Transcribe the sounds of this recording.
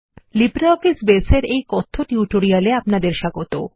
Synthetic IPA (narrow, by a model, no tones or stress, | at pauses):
libɾaokisbeseɾejkɔt̪ʰːoʈiuʈoɾialeapnad̪eɾʃaɡot̪o